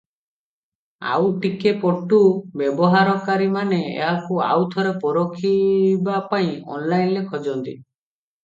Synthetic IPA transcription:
a̰wʈikepɔʈubjebɔɦaɾɔkaɾimaneḛɦakua̰wt̪ʰɔɾepɔɾokʰibapaĩɔ̰nlajnlekʰɔd͡ʒɔnt̪i

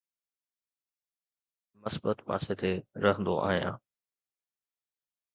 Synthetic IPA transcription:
məsbət̪ma̰ːset̪ʰeɾɐɦə̃nd̪oʔa̰ːɦijã̰ː

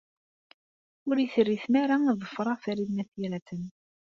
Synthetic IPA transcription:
ʊɾiθərːiθnaɾaðˤəfːɾˤɑθɾiðmæθiɾæt̪ən

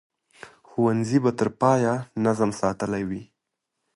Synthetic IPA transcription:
xuwanzibat̪əɾpɑjanazəmsɑt̪əlajwi

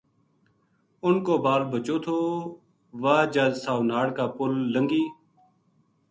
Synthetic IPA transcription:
ʊnkoːbaːɾbʱət͡ʃoːt̪ʰoː | ʋaːd͡ʒaːsaːʋnaːɽkaːpʊlːəŋɡiː

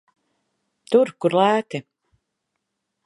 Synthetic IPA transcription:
t̪uɾkuɾlæːt̪i

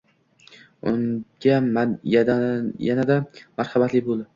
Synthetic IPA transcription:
ʊŋɡʲajad̪ajanad̪amaɾhɑbat̪lɪbolˠd̪ɪ

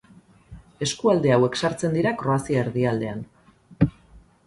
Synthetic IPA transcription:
e̞skuald̪e̞awe̞ksaɾt͡se̞nd̪iɾakɾo̞asiaeɾðiald̪e̞an

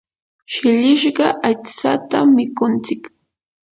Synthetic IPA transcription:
ʃɪʎɪʃ̬ɢɑʔat͡sat̪amɪkʊnt͡sɪk

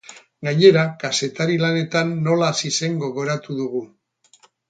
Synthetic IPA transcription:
ɡaɲe̞ɾakase̞t̪aɾilane̞t̪anːo̞lasise̞ŋɡo̞ɣ̞o̞ɾat̪uðuɣu

